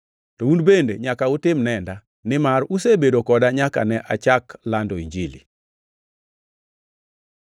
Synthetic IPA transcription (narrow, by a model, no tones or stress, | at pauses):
tɔundbendḛɲakaʊtɪmnɛnda | nɪmaɾusebedokɔdaɲaka̰nɛʔat͡ʃaklandɔiɲd͡ʒilḭ